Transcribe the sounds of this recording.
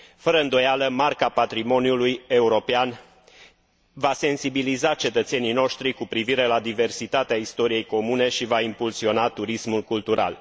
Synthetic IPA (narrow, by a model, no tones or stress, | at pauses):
fəɾəɨnd̪o̞jaləmarkapat̪ɾimo̞niuluje̞uɾo̞pean | vase̞nsibilizat͡ʃe̞t̪ət̪se̞nijno̞ʃt̪ɾikupɾiviɾe̞lad̪ive̞rsit̪at̪eaist̪o̞ɾije̞jko̞mune̞ʃivaimpulsio̞nat̪uɾismulkult̪uɾa̰l